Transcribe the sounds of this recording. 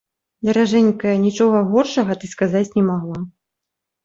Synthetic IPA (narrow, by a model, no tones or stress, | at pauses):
d̪ɐɾaʐɛnʲkɐjɐnʲit͡ʂɔɣɐɣɔrʂɐɣɐt̪ɨskazat͡sʲnʲɛmaɣlˠa